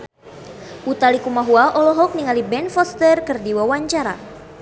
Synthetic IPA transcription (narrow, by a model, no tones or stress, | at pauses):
ʔut̪alikumaɦuaʔɔlɔɦɔk̚niŋalibɛnfɔst̪ərkɨrdiwawaɲt͡ʃaɾa̰